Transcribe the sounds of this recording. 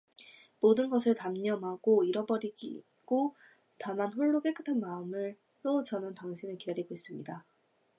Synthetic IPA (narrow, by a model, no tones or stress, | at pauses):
modɯnɡʌs̬ʰɯɭtamɲʌmɦaɡoiɾʌbʌɾiɡḭ | ɡ̥o | tamanɸoɭːok͈ek͈ɯ̥tʰanmaɯmɯɭ | ɾot͡ɕʌnɯntaŋɕʰinɯɭkidaɾiɡois͈ɯmɲida